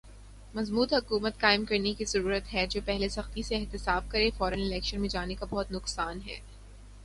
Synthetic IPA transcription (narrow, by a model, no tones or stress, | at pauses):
mɐzmuːd̪ɦʊkuːmət̪̚kaːɪmkɐɾnekizɐɾuːɾət̪ɦɛd͡ʒoːpɛɦlesɐxt̪iseːɦt̪ɪsaːb̚kɐɾẽfɔːɾənɪlɛːkʃənmẽd͡ʒaːnekabɔɦʊt̪nʊqsaːnɦɛ̰ː